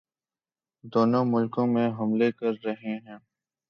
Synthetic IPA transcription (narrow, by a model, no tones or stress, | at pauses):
d̪oːnõmʊlkõːmẽɦɐmlekɐɾːɐɦeɦɛ̃ː